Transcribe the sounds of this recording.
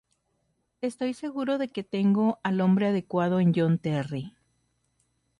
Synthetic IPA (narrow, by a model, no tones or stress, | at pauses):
e̞st̪o̞jse̞ɣuɾo̞ðe̞ke̞t̪e̞ŋɡo̞ʔalõ̞mbɾe̞að̞e̞kwað̞o̞end͡ʒont̪eri